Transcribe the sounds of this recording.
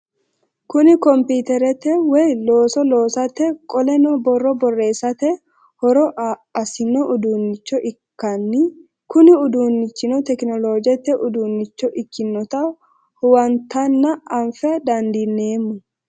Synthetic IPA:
kʊnɪkɔmpiːt̪ɛɾɛt̪ːɛwɛjloːsɔlo̞ːsɐt̪ːɛkʼɔlɛnɔbɔrːɔbɔrːe̞ːsɐt̪ɛ | hɔɾɔʔɐsɪnɔʔʊd̪uːnːɪt͡ʃːɔʔɪkːɐnːɪ | kʊnɪʊd̪uːnːɪt͡ʃːɪnɔt̪ɛknɔlo̞ːd͡ʒɛt̪ːɛʔʊd̪uːnːɪt͡ʃːɔʔɪkːɪnːɔt̪ɐ | hʊwɐnt̪ːɐnːɐʔɐɱfɛɐd̪ɐnd̪inːe̞ːmːʊ

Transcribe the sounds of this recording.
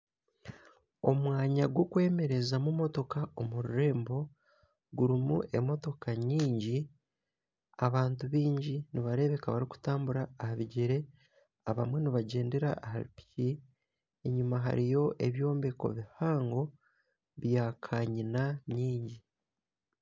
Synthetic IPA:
o̞̰mwaːɲaɡwokwe̞ːme̞ɾe̞zamumo̞to̞kao̞muɾuɾe̞ːmbo̞ | ɡuɾimṵʔe̞mo̞to̞kaɲiːɲɟi | aβaːntuβiːɲɟiniβaɾe̞βe̞kaβaɾiku̥taːmbuɾaːhaβiɟeɾe̞ | aβamwe̞niβaɟe̞ːnde̞ɾa̰ːha̰ɾḭpi̥ci | eɲumaɦa̰ɾijo̞ʔe̞βjo̞ːmbeko̞̰βihaːŋɡo̞ | βjaːkʰaːɲinaɲiːɲɟi

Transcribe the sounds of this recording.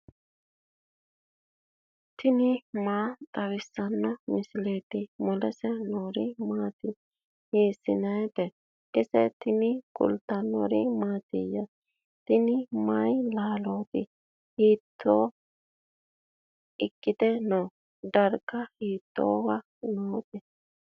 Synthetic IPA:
t̪ʰɪnɪmaːt̪ʼɐwɪsːɐnːɔmɪsleːt̪ɪmɔlɛsɛnoːɾɪmaːt̪ɪ | heːsːɪnɐjt̪ɛ | ʔɛsɛt̪ɪnɪkʼʊ̰lt̪ːɐnːɔ̰ɾɪmaːt̪ɪjɐ | t̪ɪnɪmajlaːloːt̪ɪ | hiːt̪ʰːoː | ɪkʼːɪt̪ɛno | d̪ɐɾkːɐhiːt̪ːo̰ːwɐ | noːt̪ɛ

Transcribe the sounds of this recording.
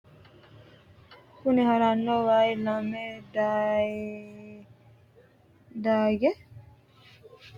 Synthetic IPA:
kuniɦaɾanːoʋaːilamed̪a | d̪aːɡe

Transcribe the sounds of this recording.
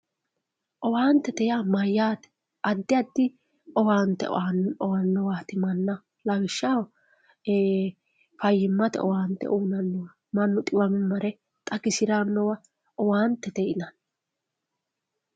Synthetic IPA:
ʔɔwaːnt̪ːɛt̪ɛjamɐjːaːt̪ɛ̥ | ʔɐd̪ːɪɐd̪ːɪ | ɔwaːnt̪ːɛ̰nɔwɐnːɔwaːt̪ɪmɐnːɐ | lɐwɪʃːɐw | fɐjːɪmːɐt̪ɛ̰ɔ̰waːnt̪ɛ̰ʔuːnɐnːɔwɐ | mɐnːʊt̪ʼɪwɐmmɐɾɛ | t̪ʼɐɡɪsɪɾanːɔwɐ | ɔwaːnt̪ːɛt̪ɛʔɪnɐn

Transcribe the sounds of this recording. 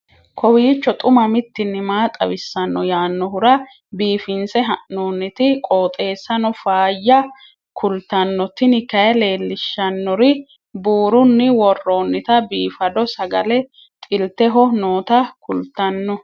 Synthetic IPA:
kʰɔwiːt͡ʃːɔt̪ʼʊmɐmɪt̪ːɪnːɪmaːt̪ʼɐ̰wɪsːɐnːɔjaːnːɔɦʊɾɐ | biːfɪnsɛɦɐʔnoːnːɪt̪ɪkʼo̞ːt̪ʼe̞ːsːɐnɔfaːjːɐ | kʰʊlt̪ɐnːɔt̪ɪnɪkɐjɐle̞ːlːɪʃːɐnːɔɾɪ | buːɾʊnːɪwɔrːo̞ːnːɪt̪ɐbiːfɐd̪ɔsɐɡɐlɛ | t̪ʼɪlt̪ɛɦɔnoːt̪ɐkʰʊlt̪ːɐnːɔ

